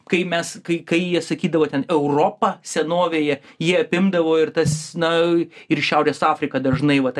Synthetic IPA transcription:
kɐɪmʲɛskɐɪkɐɪjiɛsɐkʲiːd̪ɐʋoːtʲɛnɛʊɾoːpɐsʲɛnoːʋʲeːjɛjiɛɐpʲɪmd̪ɐʋoːɪɾt̪ɐsnɐɪrʃʲɛʊɾʲeːsɑːfʲɾʲɪkɐd̪ɐʒnɐɪʋɐt̪

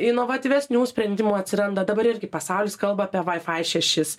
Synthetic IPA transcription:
ɪnoʋɐt̪ʲiːʋʲɛsʲnʲuːsʲpʲɾʲɛnʲd̪ʲɪmuːɐt̪ʲsʲɪɾɐnd̪ɐd̪ɐbɐɾɪɾʲɡʲɪpɐsɑʊlʲɪːskɐlˠbɐɐpʲiɛʋɐɪfɐɪʃʲɛʃʲɪs

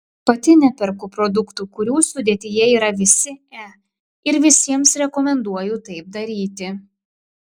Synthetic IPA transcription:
pɐt̪ʲɪnʲɛpʲɛɾkʊpɾɔd̪ʊkt̪uːkʊɾʲuːsʊd̪ʲeːt̪ʲɪjɛiːɾɐʋʲɪsʲɪɛ | ɪɾʋʲɪsʲiɛmsɾʲɛkɔmʲɛnd̪uɔjut̪ɐɪp̚d̪ɐɾʲiːt̪ʲɪ

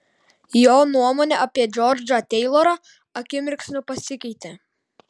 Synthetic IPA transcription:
joːnuɔmoːnʲɛʔɐpʲiɛd͡ʒʲɔɾʲd͡ʒʲɐt̪ʲɛɪlˠɔːɾɐ | ɐkʲɪmʲɪɾʲksʲnʲʊpɐsʲɪkʲɛɪt̪ʲeː

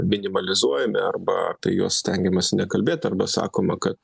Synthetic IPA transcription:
mʲɪnʲɪmɐlʲɪzuɔjɛmʲɪɐrbɐɐ̰pʲiɛjo̰ːssʲt̪ʲɛŋʲɡʲɛmɐsʲɪnʲɛkɐlʲbʲeːt̪ʲɐrbɐsɑ̰ːkoːmɐkɐt̪

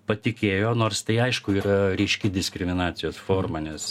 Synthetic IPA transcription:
pɐt̪ʲɪkʲeːjoːnoːrst̪ɐɪɐɪʃkʊiːɾɐɾʲɛɪʃʲkʲɪd̪ʲɪsʲkɾʲɪmʲɪnɑːt̪sʲɪjoːsfoːrmɐnʲɛs

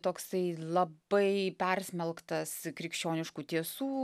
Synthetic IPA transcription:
t̪oːksɐɪlˠɐbɐɪpʲɛrsʲmʲɛlˠkt̪ɐskɾʲɪkʃʲt͡ʃʲoːnʲɪʃkuːt̪ʲiɛsuː

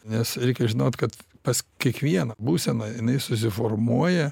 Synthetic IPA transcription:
nʲɛsɾʲɛɪkʲɛʒʲɪnoːt̪kɐt̪pɐskʲiɛkʋʲiɛnɐbuːsʲɛnɐɪnɐɪsʊs̬ʲɪfoːrmuɔjɛ

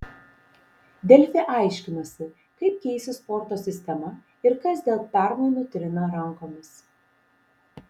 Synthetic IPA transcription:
d̪ʲɛlʲfʲeʔɑˑɪʃʲkʲɪnɐsʲɪ | kɐɪp̚kʲɛɪsʲɪspɔɾt̪oːsʲɪsʲt̪ʲɛmɐ | ɪɾkɐsd̪ʲeːlˠpʲæˑɾmoɪnuːt̪ʲɾʲɪnɐɾɐŋkoːmʲɪs

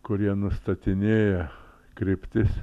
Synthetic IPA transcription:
kʊɾʲiɛnʊst̪ɐt̪ʲɪnʲeːjɛ | kɾʲɪpʲt̪ʲɪs

